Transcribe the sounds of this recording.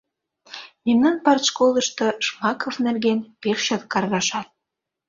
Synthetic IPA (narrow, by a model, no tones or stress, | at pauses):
imnɑnpɑrt̪ʃkolˠə̆ʃt̪ɤʃmɑkofnæ̆rɣenpeʃʃɑt̪̚kɑrɣɑʃɑt̪̚